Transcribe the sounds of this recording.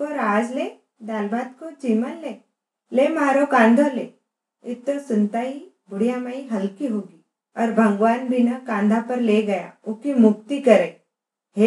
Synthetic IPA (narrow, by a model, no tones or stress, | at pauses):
poɾaːd͡ʒleː | d̪aːlbaːd̪kot͡ʃiːmənleː | leːmaːɾokãːnd̪ʱolḛː | ɪt̪ːosʊnt̪aɦi | bʊɽijamaːiɦɐlkiɦoːɡiː | ɔːɾbʱɐ̃ŋɡʋaːnbʱɪnəkãːnd̪ʱapɐɾleːɡɐja̰ʊkimʊk̚t̪ikɐɾẽː | ɦe